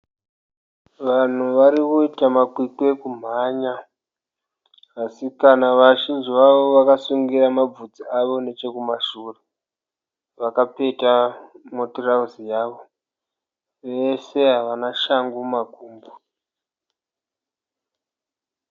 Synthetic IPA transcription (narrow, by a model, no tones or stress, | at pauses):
ʋan̤uʋaɾikuitamakwikwe̞kum̤aːɲa | asikanaʋaʃind͡ʒziʋaʋo̞ʋakasuŋɡiɾamab͡vud͡ziaʋo̞ne̞t͡ʃe̞kumaʃuːre | ʋakape̞tamotorauzijaːʋo̞ | ʋe̞se̞ɦaʋanaʃaŋɡumaɡʱuːmbo